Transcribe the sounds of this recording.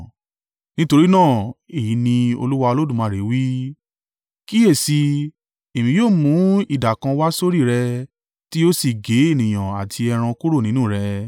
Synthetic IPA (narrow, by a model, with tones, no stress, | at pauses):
nĩ˦to˧ɾi˦nãː˦˨e˨ji˨˦nĩ˧o̰˧lu˦wa˧o˧lo˦dũ˦˨mã˨˦˨ɾe˨˦wi˦ | ki˦e˦˨si˧ | e˨mĩ˧joː˦˨mũ˨˦i˦˨da˨kã˧wa˦so˦ɾi˦˨ɾɛ˧ | ti˦o˦si˦˨ɡe˨˦e˦˨nĩ˨j̃ã˨a˨tʰi˧ɛ˧ɾ̃ã˧ku˦ɾo˦˨nĩ˦nũ˦˨ɾɛ˧